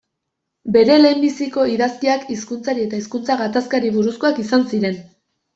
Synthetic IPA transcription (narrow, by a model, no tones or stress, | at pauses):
be̞ɾe̞le̞ːmbisiko̞iðaskiakiskunt͡saɾie̞t̪aiskunt͡saɣat̪askaɾiβ̞uɾusko̞akisansiɾe̞n